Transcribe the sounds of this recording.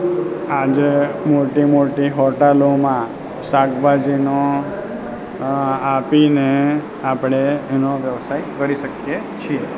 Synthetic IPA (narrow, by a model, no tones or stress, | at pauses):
ad͡ʒemoʈimoʈiɦɔʈelomã | saɡbad͡ʒino | apine | apɽ̃eɛnoʋjəʋsajkəɾiʃəkje | t͡ʃʰie